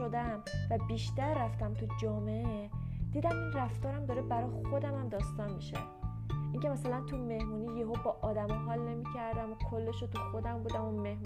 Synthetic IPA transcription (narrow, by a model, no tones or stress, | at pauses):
od̪æmvæbiːʃt̪æɾːæft̪æmt̪ʰud͡ʒɒːmeee | d̪iːd̪æminræft̪ɒːɾæmd̪ɒːɾebæɾɒjxo̞d̪æmæmd̪ɒːst̪ɒnmiʃæ̰m | ʔiːŋcʰe̞mæsælænt̪ʰume̞hmuːniːjeɦobɒʔɒːd̪æmeɦɒːlne̞miːcʰæɾd̪æmokʰolːe̞ʃot̪ʰuxo̞d̪æmbuːd̪æmome̞hm